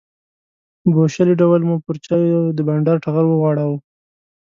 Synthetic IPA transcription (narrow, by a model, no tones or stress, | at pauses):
boʃaliɖawalmupəɾt͡ʃɑjd̪əbaɳɖɑɾʈaɣalwəɣwɑɽaw